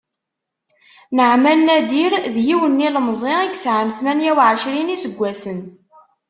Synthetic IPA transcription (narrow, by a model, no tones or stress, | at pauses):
nəʕmælnæd̪iɾðjiwənːilmzˤeiɡsʕəmθmænjæwʕəʃɾinisəɡʷːæsən